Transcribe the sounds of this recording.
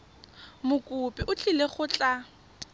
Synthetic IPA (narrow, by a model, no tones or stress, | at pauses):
mʊkʼupʼɪʔʊt͡ɬʼileχʊt͡ɬʼa